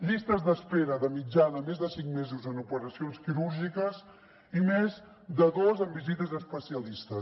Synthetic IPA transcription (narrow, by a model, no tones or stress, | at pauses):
ʎist̪əzðəspeɾəðəmid͡ʒanəmezðəsiŋmezuzənupəɾəsionskiɾuɾʒikəz | imez | d̪əðozəmbizit̪əzəspəsiəlist̪ə